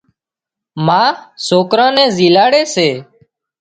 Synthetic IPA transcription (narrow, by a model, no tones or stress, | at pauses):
maːsoːkɾãːnɛ̃ːziːlaːɽeːseː